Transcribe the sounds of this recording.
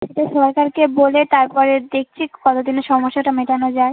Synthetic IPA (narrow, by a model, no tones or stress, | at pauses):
ʃeʈaʃɔɾkaɾkebolet̪aɾpɔɾed̪ek̚ʰt͡ɕʰikɔt̪od̪inoʃɔmoʃːaʈameʈanod͡ʑae